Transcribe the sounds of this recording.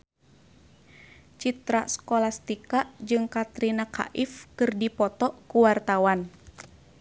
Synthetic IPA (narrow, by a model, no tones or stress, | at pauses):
t͡ʃit̪ɾaskɔlast̪ikaʔd͡ʒɨŋkat̪ɾinaka̰ʔifkɨrdipɔt̪ɔkuwart̪awan